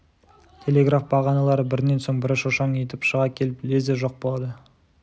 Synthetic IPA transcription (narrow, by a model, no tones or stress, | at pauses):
t̪ʰe̞le̞ɡrafbɑʁɑnɑlˠɑɾəbɪɾne̞nso̞ɴbɪɾɪʃoʃɑɴje̞t̪ɪpʃəʁɑkʲʰe̞lɪplezeʒo̞q̚bo̞lˠɑd̪ə